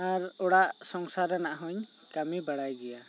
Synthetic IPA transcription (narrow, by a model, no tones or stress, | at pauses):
aɾɔɽaʔsɔŋsaɾɛnaʔɦɔɲ | kamibaɽajɡɛja